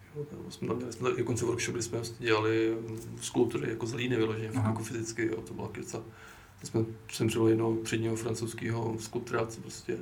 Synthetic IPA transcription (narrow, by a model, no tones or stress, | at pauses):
joːbosmɛt̪amɲɛlɪsmɛt̪aʔɪdokont͡sɛvoɾkʃob̚ɡdɪsmɛsɛɟɛlalɪskulpt̪uɾɪ̰jakozaliːnɪvɪloʒɛɲɛfakjakofɪzɪt͡skɪjo̰ːt̪obɪlakɪt͡sa | ɪsmɛsɛmrɛlɪjɛdnop̪r̥ɛd̪ɲiːɦofɾant͡sowskiːɦoskut̪ɾat͡spɾoscɛ